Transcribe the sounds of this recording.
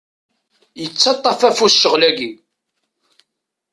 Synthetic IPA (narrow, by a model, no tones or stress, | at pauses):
jət͡sːɑt̪ˤːɑfæfusʃəʁlæɡi